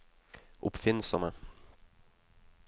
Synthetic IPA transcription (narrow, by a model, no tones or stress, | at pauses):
ʔʊpfɪnsɔmə